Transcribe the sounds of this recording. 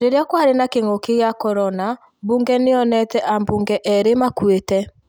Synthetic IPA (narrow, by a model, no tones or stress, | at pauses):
ɾeɾeakwaɾenakeŋokeɣjakɔɾɔna | buŋɡɛneɔnɛtɛʔambuːŋɡɛʔɛɾemakwetɛ